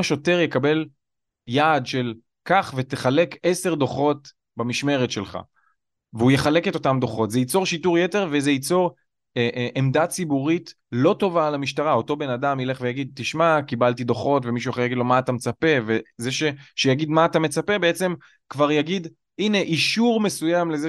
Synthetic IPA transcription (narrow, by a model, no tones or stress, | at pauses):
aʃo̞te̞ʁjekabe̞l | jaːdʃe̞l | kaχve̞t̪eχale̞ke̞se̞ʁd̪o̞χo̞t | bamiʃme̞ʁet̪ʃe̞lχa̰ | veujeχale̞ket̪o̞tamd̪o̞χo̞tzejit͡so̞ʁʃituʁjete̞ʁvezejit͡so̞ʁ | eʔʔemdat͡sibuʁit | lo̞to̞vaːlamiʃtaʁao̞t̪o̞be̞nadamile̞χvejaɡid̪̚t̪iʃmakibaltid̪o̞χo̞tvemiʃuaχeʁjaɡidlo̞maːtamet͡sape̞vezeʃe̞ʃejaɡid̪maːt̪ame̞t͡sapebeet͡se̞m | kvaʁjaɡid̪ | ine̞ʔiʃuʁme̞sujamle̞ze